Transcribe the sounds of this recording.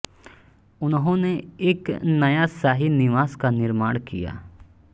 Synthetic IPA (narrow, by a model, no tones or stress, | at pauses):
ʊnɦõneɪknəjaːsaːɦinɪʋaːskanɪɾmaːɳ̃kɪ̰ja̰ː